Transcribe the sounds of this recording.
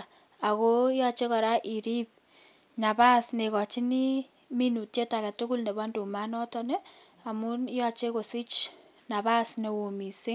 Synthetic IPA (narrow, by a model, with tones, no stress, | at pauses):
a˨ko˦jɔ˦t͡ʃe˦kɔ˨ɾa˦ʔi˨ɾi˦p̚ | ɲa˨ba˦sne˨kɔ˨t͡ʃi˦ni˦ | mi˦nu˨tje˦ta˨ka˨tʊ˦ku˦lne˨ba˦ndu˨ma˦nɔ˦tɔ˦nɛ˦ | a˨mu˦njɔ˦t͡ʃe˦ko˨si˦t͡ʃ | na˨βa˦sne˨wo˨mi˨se˦